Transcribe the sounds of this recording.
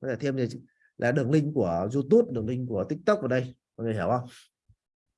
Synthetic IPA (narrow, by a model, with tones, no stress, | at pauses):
kɔ˦t̪ʰe˧˩t̪ʰe˧mza˨˩˧ | lʔa̰ː˨˩ɗɨ˨˩əŋlï˧ŋ̟ku˧˩əzu˧t̪u˦˥p̚ɗɨ˨˩ŋlï˧ŋ̟ku˧˩ət̪ï˦˥k̟̚t̪ɨ˦˥k̚və˨˩ɗə˧jva˨˩ŋə˨˩hi˧˩˨wʔhə˧wŋ͡m